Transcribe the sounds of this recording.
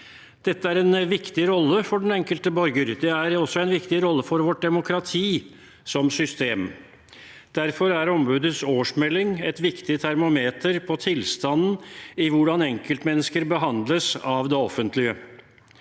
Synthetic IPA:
d̪̥ɛt̪ːəæɾɛnʋɪkt̪ɪɾɔlːəfɔɖɛn̩ɛŋkəlt̪əbɔɾɡəɾd̪ɛæɾɔsːɔɛnʋɪkt̪ɪɾɔlːəfɔɾʋɔʈ̚ɖ̪ɛmʊkʰɾɑt̪ʰiː | sɔmsʏst̪eːm | d̪̥æɾfɔɾæɾɔmbʉːd̪əsoːʂmɛlːɪŋɛt̪ʋɪkt̪ɪt̪ʰæɾmʊmeːt̪əɾpʰɔt̪ʰɪlst̪ɑnn̩ɪʋʊɖɑnɛŋkəlt̪mɛnːəskəɾbəɦɑnd̪ləsɑʋd̪ɛɔfːənt̪lɪə

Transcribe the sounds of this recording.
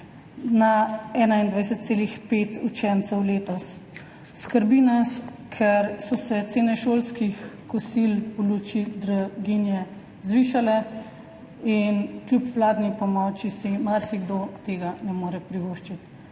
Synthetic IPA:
naɛːnaind̪ʋajsɛt̪t̪seːlixpeːt̪ut͡ʃɛnt̪sɛwleːt̪ɔsː | kəɾbinaskʰɛɾsɔsɛt̪seːnɛʃoːlskixkɔsilulut͡ʃid̪ɾaɡinjɛ | zʋiːʃalɛ | inklʲjupʋlaːd̪nipɔmɔwt͡ʃisimaɾsiɡd̪ot̪eːɡanɛmoːɾɛpɾiʋoːʃt͡ʃit̪

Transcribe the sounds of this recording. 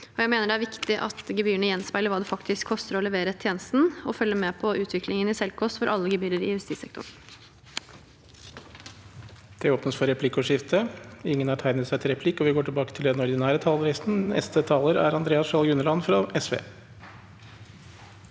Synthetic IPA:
ɔjæɪmeːnəɖɛæɾʋɪkt̪ɪʔɑ̰t̪ɡɛbyːəɳəjɛnspæɪləɾʋɑːd̪ɛfɑkt̪ʰɪskʰːɔst̪əɾɔlɛʋeːɾət̪ʰjeːnəst̪n̩ɔfœlːəmɛpʰɔʔʉːt̪ʰʋɪklɪŋənɪsɛlkʰɔst̪fɔɾʔɑlːəɡɛbyːɾəɾɪ̰nst̪iːsɛ̰k̚t̪ʰʊ̰ɳ | d̪̥ɛoːpnəsfɔɾɛpʰlɪkːʊʂɪft̪ʰəɪŋːənɑʈʰæɪnəsæɪt̪ʰɪlɾɛpʰlɪkːɔʋɪɡoːʈʰɪlbɑːkə̥t̪ʰɪld̪ɛnɔɾd̪ɪnæːɾət̪ʰɑːlʋɛːsn̩ɛ̰st̪ət̪ʰɑːləɾæ̰ɾɑnd̪ɾeːɑsʂɑlɡʉnəlɑnfɾɑɛsʋḛː

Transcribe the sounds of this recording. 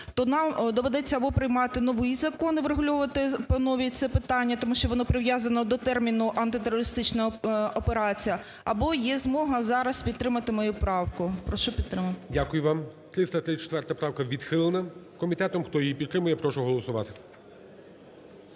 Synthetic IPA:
t̪ɔnɑmd̪ɔʋɛd̪ɛt͡sʲːɐbɔpɾɪjmɑt̪ɪnɔʋɪjzɐkɔnɪʋɾeɦʊlʲɔʋɐt̪ɪpɐnɔʋʲit̪sɛpɪt̪ɑnʲːɐt̪ɔmuʃt͡ʃɔʋɔnɔpɾɪʋjazɐnɔd̪ɔt̪ɛrmʲinʊʔɐnt̪ɪt̪eɾɔɾɪst̪ɪt͡ʃnɐɔpeɾɑt͡sʲijɐ | ɐbɔjɛzmɔɦɐzɑɾɐspʲid̪̚t̪ɾɪmɐt̪ɪmɐjupɾɑwkʊpɾɔʃɔpʲid̪t̪ɾɪmɐt̪ɪdʲakʊjʊʋɑmt̪ɾɪst̪ɐt̪ɾɪt͡ʃɛ̥t̪ʋɛrt̪ɐpɾɑwkɐʋʲid̪xɪlˠenɐ | kɔmʲit̪ɛt̪ɔmxt̪ɔjijipʲid̪t̪ɾɪmʊjɛpɾɔʃʊɦɔlˠɔsʊʋɑ̰t̪ɪ̥

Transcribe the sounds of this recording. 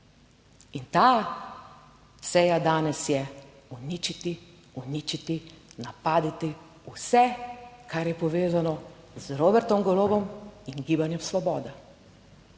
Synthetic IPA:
int̪aː | sɛjad̪aːnɛsjɛ | unit͡ʃit̪i | unit͡ʃit̪inapaːd̪it̪i | usɛkaɾjɛpɔʋeːzanɔ | zɾoːbɛɾt̪ɔmɡɔloːbɔminɡiːbanjɛmslɔbɔːd̪a

